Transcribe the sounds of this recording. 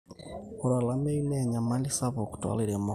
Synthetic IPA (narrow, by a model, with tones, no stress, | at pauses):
ku˨ɾa˨la˦me˦i˦ne˨ɲa˨ma˦ni˦sa˦βo˨ku̥˨twa̰˦liɾe˨mo